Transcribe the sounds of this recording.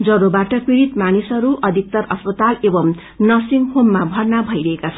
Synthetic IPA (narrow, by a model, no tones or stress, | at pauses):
d͡zʌɾobaʈʌkiɾit̪manisʌɾuʔʌd̪ʱik̚t̪ʌɾʌspʌt̪alebʌm | nʌsiŋɡhomːabʱʌrnabʱʌjɾʌɦekat͡sʰʌn